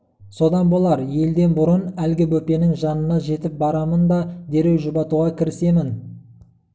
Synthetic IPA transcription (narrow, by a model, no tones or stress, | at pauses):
so̞d̪ɑnbo̞lˠɑɾje̞ld̪e̞nbʊɾənælɡʲɪbɵpe̞nɪŋʒɑnənɑʒe̞t̪ɪp̚bɑɾɑmənd̪ɑd̪e̞ɾe̞wʒʊbɑt̪uʁɑkʲʰɪɾɪse̞mɪn